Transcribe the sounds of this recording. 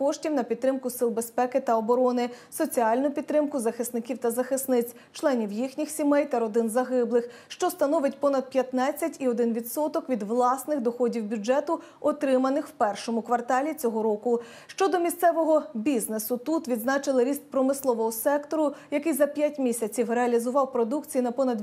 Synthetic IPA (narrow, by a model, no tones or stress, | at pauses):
pɔʃtʲiwnɐpʲid̪̚ːɾɪmkʊsɪlˠbespɛkɪt̪ɐɔbɔɾɔnɪsɔt͡sʲiɑlʲnʊpʲid̪t̪ːɾɪmkʊzɐxɪsnɪkʲiwt̪ɐzɐxɪsnɪt͡sʲ | t͡ʃlˠɛnʲiwjixnʲixsʲimɛjt̪ɐɾɔd̪ɪnzɐɦɪblˠɪxʃt͡ʃɔst̪ɐnɔʋɪt̚ʲpɔnɐd̪̚pʲjɐt̪nɑt͡sʲːɐtʲiɔd̪ɪnʋʲid̪sɔt̪ɔkʋʲid̪ʋlˠɑsnɪxd̪ɔxɔdʲiwbʲʊd͡ʒɛt̪ʊ | ɔt̪ɾɪmɐnɪxwpɛrʃɔmʊkʋɐrt̪ɑlʲit͡sʲɔɦɔɾɔkʊ | ʃt͡ʃɔd̪ɔmʲist̪sɛʋɔɦɔbʲiznesʊt̪ut̪ʋʲid̪znɑt͡ʃɪlˠɪɾʲist̪̚pɾɔmɪslˠɔʋɔɦɔsɛkt̪ɔɾʊjɐkɪjzɐpʲjatʲmʲisʲɐt͡sʲiwɾeɐlʲizʊʋɑwpɾɔd̪ukt͡sʲijinɐpɔnɐd̪